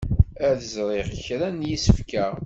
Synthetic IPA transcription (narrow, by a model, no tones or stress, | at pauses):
æðəzɾˤeʁəçɾænjisəfkæ